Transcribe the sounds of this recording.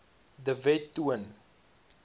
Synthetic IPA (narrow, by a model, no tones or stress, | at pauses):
dəvɛtːuən